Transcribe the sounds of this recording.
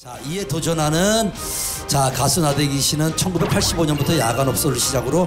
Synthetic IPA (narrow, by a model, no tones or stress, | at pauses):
t͡ɕaie̞tod͡ʑʌnɦanɯn | t͡ɕakasʰunadeɡiɕʰinɯnt͡ɕʰʌnɡube̞k̚pʰaɭɕ͈iboɲʌnbutʰʌjaɡanʌp̚s͈ʌɾɯɭɕʰid͡ʑaɡɯɾo